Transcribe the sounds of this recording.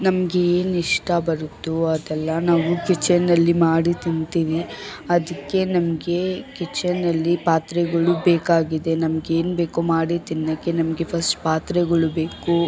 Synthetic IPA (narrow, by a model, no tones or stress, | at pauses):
nɐmɐɡe̞eːniʂʈɐbɐɾut̪ːuɐd̪ɛlːɐnaːʋukit͡ʃɐnɐlːimaːɽit̪int̪iːʋiɐd̪ɐkːe̞nɐmɐɡe̞kit͡ʃːɐnːɐlːipaːt̪ɾɛɡɐɭubeːkaːɡid̪e̞nɐmɐɡeːnbeːkumaːɽit̪inːɐkːenɐmɐɡe̞pʰɐsʈpaːt̪ɾɛɡɐɭubeːku